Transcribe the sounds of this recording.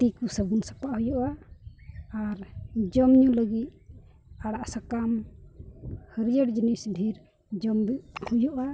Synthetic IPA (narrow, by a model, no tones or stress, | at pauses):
t̪ikusəbunsḁpaʔhujɔʔa | aɾd͡ʒɔmɲuləɡit̪̚ | aɽaʔsakam | həɾijəɽd͡ʒinisbʱiɾ | d͡ʒɔmbiʔhujɔʔa